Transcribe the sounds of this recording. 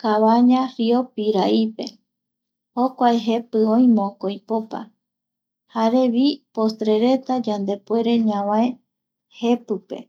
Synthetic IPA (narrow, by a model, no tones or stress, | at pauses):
kaβaɲãfiopiɾaipe̞̰ | hokʷaeɦe̞pɨõĩmõkojpopa̰ | haɾe̞βipost̪ɾe̞ɾe̞t̪ad͡ʒand̪e̞pwe̞ɾe̞ɲãʋãe | he̞pɨpe̞̰